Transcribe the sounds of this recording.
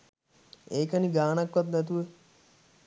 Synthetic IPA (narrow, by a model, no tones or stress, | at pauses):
eːkəniɡaːnakʋat̪nɛt̪uʋə